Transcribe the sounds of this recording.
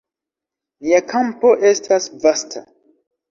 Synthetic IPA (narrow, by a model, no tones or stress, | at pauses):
miakʰampo̞ʔe̞stʰasvastʰa̰